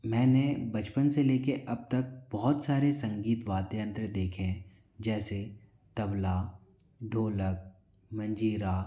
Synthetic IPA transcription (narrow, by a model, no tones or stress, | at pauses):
mɛ̃ːnebɐt͡ʃpənseleːkeʔɐb̚t̪ək̚bɔɦɔt̪saːɾesɐ̃ŋɡiːt̪ʋaːd̪eə̃nt̪ɾəd̪eːkʰẽ | d͡ʒɛːse | t̪ɐbla | ɖʱoːlək̚ | mɐ̃ɲd͡ʒiːɾaː